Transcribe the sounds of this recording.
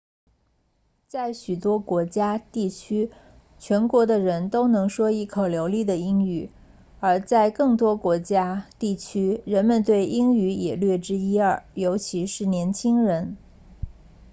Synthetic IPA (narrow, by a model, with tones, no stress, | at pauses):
t͡sa˥˩ɪɕy˨˩t̪wɔ˥kwɔ˧˥t͡ɕja˥t̪i˥˩t͡ɕʰy˥ | t͡ɕʰɥɛ˧˥nkwɔ˧˥d̪ə˧ɻə˧˥nt̪o˥ʊnɤ˧˥ŋʂwɔ˥i˥˩kʰo˨˩ʊljo˧˥ʊli˥˩d̪ə˩i˥ŋy˥˩ | ə˞˧˥t͡sa˥˧ɪkɤ˥˩ŋt̪wɔ˥kwɔ˧˥t͡ɕja˥t̪i˥˩t͡ɕʰy˥ɻə˧˥nmə˧nt̪we˥˩ɪi˥ŋy˧˥jɛ̰˨˩lɥɛ˥˩ʈ͡ʂɻ̩˥i˥ə˞˥˩jo˧˥ʊt͡ɕʰi˧˥ʂɻ̩˥˩njɛ˧˥nt͡ɕʰi˥ŋɻə˧˥n